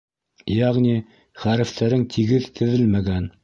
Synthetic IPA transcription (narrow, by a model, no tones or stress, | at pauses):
jæʁnʲi | χæɾɘ̆ft̪æɾɘŋt̪ʰiɡɘðt̪ʰɘ̆ðɘlmæɡæn